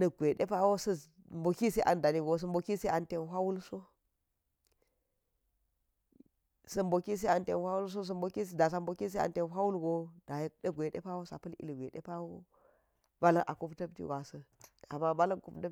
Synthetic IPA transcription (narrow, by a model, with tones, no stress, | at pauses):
nɐ˨ɡʷe˨ɗe˦pa˦wo˦sɐ˦ | mbo˨ki˦se˦ʔa̰˨nda˨ni˦ɡo˨s̬ɐ˦mbo˨ki˦se˦ʔa˨nte˦nɦʷa˦wu˦lso˦ | sɐ˦mbo˨ki˦s̬e˦a˨nte˦nhʷa˦wu˦ls̬o˦s̬ɐ˦mbo˨ki˦s̬da˨s̬a˨mbo˨ki˦s̬e˦a̰˨nte˦nɦʷa˦wu˦lɡo˦da˨jdɐ˦ɡʷe˨ɗḛ˦pa˦wo˦sa̰˨pɐ˦lḭ˦li˨ɡʷe˨ɗḛ˦pa˦wo˦ | ba˦lɐ˦ʔa̰˨ku˦ptɐ˦btḭ˦wa˨sɐ˦a˨ma˦ba˦lɐ˦ŋku˦pdɐ˦